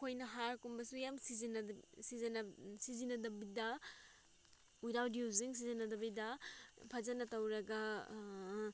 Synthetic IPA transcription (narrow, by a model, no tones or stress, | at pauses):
kʰojnɐɦaɾkumbɐsujamsizinɐsizɐnɐsizinːɐdɐbidɐ | ujɾawdiuz̬iŋs̬izinɐdɐbɐjdɐpʰɐd͡ʒɐnɐtɐwɾɐɡɐ